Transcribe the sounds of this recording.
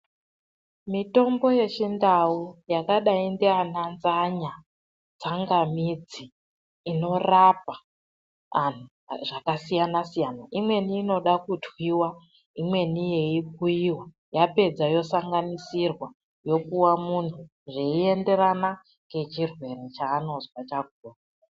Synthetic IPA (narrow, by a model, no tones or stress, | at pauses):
mito̞mbo̞je̞t͡ʃindaujakaɗaindeananzaɲa | t͡saŋɡamid͡ziː | no̞rap̚aː | n̤u | ʐakasijanasijanaʔimwe̞niːno̞ɗakutwiwa | imwe̞nije̞ik̚uiwa | jape̞d͡zajo̞saŋɡanisirwa | jo̞kuwamuntʰu | ʐeie̞nde̞rana | ŋɡe̞t͡ʃirwe̞rit͡ʃaːno̞zwat͡ʃak̚uːra